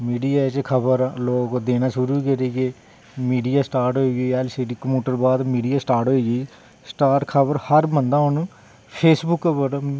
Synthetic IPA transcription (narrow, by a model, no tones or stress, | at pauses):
miːɖijaːet͡ʃkʰəbəɾloːkd̪eːnãːʃʊɾuːikeɾeːɡeː | miːɖijaːsʈaːɾʈɦoiːɡiːɛːlsiːɖiːkəmjuːʈəɾbaːd̪miːɖijaːsʈaːɾʈɦoːiːɡiː | sʈaːʈkʰəbəɾhəɾbənd̪ãːɦʊnː | pʰeːsbʊkːbəɾ